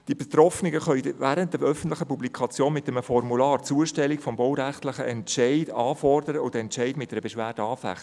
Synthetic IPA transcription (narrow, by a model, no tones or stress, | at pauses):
d̥ibɛt̪ɾɔfnɪɡəχœʏʋæːɾəntdəœfən̩tlɪχəpublikʰɑt͡sjoːnmɪtɛməfɔrmulɑːɾt͡suəʃtɛlikfɔmbɔwɾæχtlɪχəʔɛntʃɛɪd̥ɑːfɔrdəɾəʊd̥̪əɛnt͡ʃɛɪdmɪt̚dɛɾəbɛʃʋæːɾd̥əɑːfæ̰χt